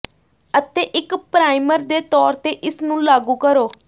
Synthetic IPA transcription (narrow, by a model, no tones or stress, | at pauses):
ət̪eːʔɪkpɾaːiməɾd̪eːt̪ɔːɾt̪eːʔɪsnũːlaːɡuːkəɾoː